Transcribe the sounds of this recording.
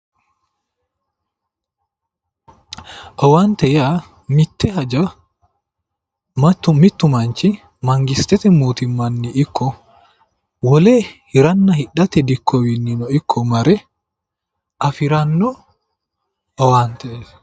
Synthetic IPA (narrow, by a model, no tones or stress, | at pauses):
ʔɔwant̪ɛja | mit̪ːɛɦad͡ʒa | matːumit̪ːumaɲt͡ʃi | maŋɡist̪ɛt̪ɛmuːt̪imːanːiːkʰːɔ | wɔlɛːhiɾanːɐhiɗːat̪ɛd̪ikʰːɔwinːinɔikʰːɔmaɾɛ | ʔafiɾanːɔ | ʔɔwant̪ɛs